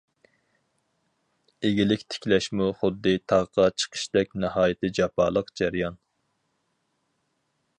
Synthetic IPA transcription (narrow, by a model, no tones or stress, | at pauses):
eɡʲilɪkʲt̪ʰɪ̥kʲlɛʃmuχʊd̪ːɨt̪ʰɑʁqɑt͡ʃʰə̥qʰə̥ʃd̪ɛk̚ʲnɨhɑːjɨt̪ʰɨd͡ʒɑpʰɑ̰ːlˠəqd͡ʒæɾjɑn